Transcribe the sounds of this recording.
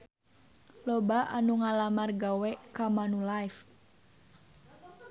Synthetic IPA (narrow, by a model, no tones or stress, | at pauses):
lɔbaʔanuŋalamarɡawɛkamanulajf